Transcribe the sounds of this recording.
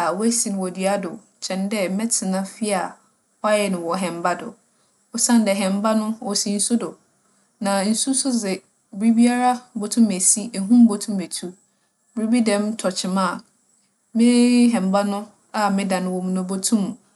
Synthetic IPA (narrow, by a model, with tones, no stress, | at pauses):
a˨wɔ˦æ˦si˨ñ˨wɔ˨dɥa˦dʊ̰˨ | t͡ɕʰɛ̃˨ndɛ˦mɛ̃˦tʰɪ˨nã˦fi˦a˨ | ɔ˦a˦jɛ˨nʊ̃˨wɔ˨ɦɛ̃˨mba˦dʊ̰˨ | ɔ˦sã˦n˦dɛ˨ɦɛ̃˨mba˦nʊ̃˦wɔ˨si˦n̩˦sʊ˦dʊ˨ | nã˨n̩˨˦su˦sʊ˦zɪ˨ | bɾi˦bi˦a˦ɾa˦bo˨tʰũ˦me˨si˦ʔe˨ɦũ˦m˦bo˨tʰũ˦me˨tʰu˦ | bɪ˦ɾi˦bi˦dɛ̃˦mtʰɔ˨t͡ɕʰɪ˨mã˦˨ | mɪ̃˦ɦɛ̃˨mba˦nʊ̃˦ | a˨mɪ̃˦dã˨nɪ̃˨wɔ˨mũ˨nɔ̃˨bo˦tʰũ˦m˨